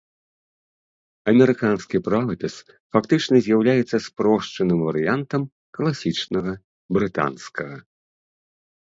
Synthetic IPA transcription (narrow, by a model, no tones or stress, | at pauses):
ɐmʲɛɾɨkanskʲipɾavɐpʲɛs | fakt̪ɨt͡ʂnɐzʲjawlʲajɛt̪sːɐspɾɔʂt͡ʂɐnɨmvɐɾɨjant̪ɐm | klˠasʲit͡ʂnɐɣɐ | bɾɨt̪a̰nskʰɐɣɐ